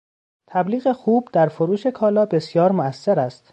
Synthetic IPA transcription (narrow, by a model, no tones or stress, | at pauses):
t̪ʰæbliːɣe̞xuːbd̪̥æɾfoɾuːʃe̞kʰɒːlɒːbe̞sjɒːɾmoæsːeɾæst̪